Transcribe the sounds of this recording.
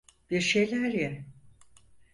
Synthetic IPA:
b̥iɾʃe̞jlʲæɾjæ

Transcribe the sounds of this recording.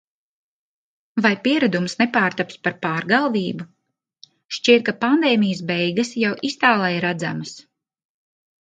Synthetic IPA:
vajpiɛɾad̪umsnepaːɾt̪apspaɾpaːɾɡalˠviːbu | ʃt͡ʃiɛt̪̚kapand̪ɛːmijəs̬bɛjɡɐsjawʔist̪aːlˠajɾad̪zaməs

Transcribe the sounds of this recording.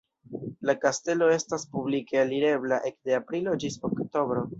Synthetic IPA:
lakaste̞lo̞e̞staspublike̞aliɾe̞blaʔe̞kdeapɾilo̞d͡ʒisokto̞bɾo̞

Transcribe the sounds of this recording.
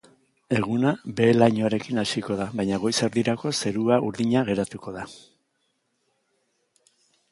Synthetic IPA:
e̞ɣ̞unabe̞lajɲoaɾe̞kinaʃiko̞ðaβajɲaɣ̞o̞jse̞ɾðiɾako̞se̞ɾuaʔuɾðiɲaɣe̞ɾat̪uko̞ða

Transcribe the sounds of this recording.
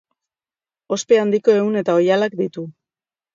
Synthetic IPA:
o̞spe̞and̪iko̞e̞une̞t̪ao̞jalakd̪it̪u

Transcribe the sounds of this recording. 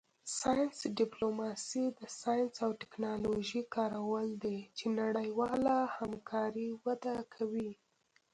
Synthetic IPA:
sɑjnsɖɪplomɑsid̪əsɑjnsawʈɪ̥knɑloʒikɑɾawəld̪et͡ʃenaɽəjwɑlahamkʰɑɾiwad̪akʰawi

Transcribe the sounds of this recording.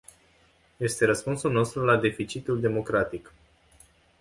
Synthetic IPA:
je̞st̪e̞ɾəspunsulno̞st̪ɾulad̪e̞fit͡ʃit̪uld̪e̞mo̞kɾat̪ik

